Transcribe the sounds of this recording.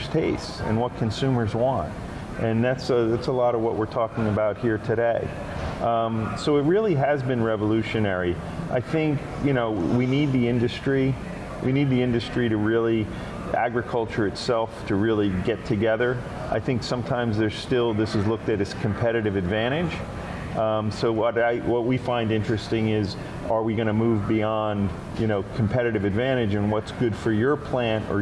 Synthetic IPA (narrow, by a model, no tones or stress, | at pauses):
stʰeɪstɨ̰̃nwʌt̚kʰɨ̃nsʉ̃mə˞zwɑ̃nt̚ | ʔɨ̃nðætsðætsəlɔɾʌvwʌʔ̚wɪɹtʰɔkɪ̃ŋɨbaʊt̚hiɹtʰɨɾeɪ | soʊɨt̚ɹɪlˠiɨzbɨ̃nɹɛvəlʉʃɨnɛɹi | ʔaɪθɪ̃ŋk | jɨñoʊwinid̪̚ðiɪ̃ndɨstɹ̥i | wʔinid̪̚ðiɪ̃ndɨstɹ̥iɾɨɹɪlˠi | æ̰ɡɹɨkʰʌlˠt͡ʃə˞ɨtsɛlˠftʰɨɹɪlˠiɡɛtʰɨɡɛðə˞ | ʔaɪθɪ̃ŋksʌ̃mtʰãɪ̃mzðə˞z̥stɪlˠðɪsɨzlʊk̚tɨɾɨskʰɨ̃m̩pʰɛɾɨɾɨvɨdvæ̃ɾ̃ɪ̥d͡ʒ | soʊwʌɾaɪwʌt̚wifãɪ̃ndɪ̃nt͡ʃɹ̥ɨstɪ̃ŋɪz | ə˞wiɡʌñɨmuvbiɑ̃nd | jɨñoʊkʰm̩pʰɛɾɨɾɨvɨdvæ̃ɾ̃ɨd͡ʒɨ̃nwʌtsɡ̥ʊd̥fə˞jə˞pʰl̥æ̃nə̰˞